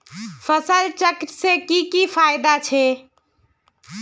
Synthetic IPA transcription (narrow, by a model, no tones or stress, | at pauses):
fʰəsəlt͡ʃəkit̪sẽkikifʰajd̪at͡ʃʰɛ